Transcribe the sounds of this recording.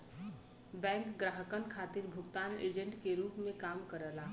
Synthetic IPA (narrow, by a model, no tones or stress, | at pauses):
bɛ̃ːŋkɡɾaːɦəkənkʰaːt̪iɾbʱʊɡt̪aːnḛːd͡ʒə̃ɳʈkeɾuːpmẽkaːmkəɾəlaː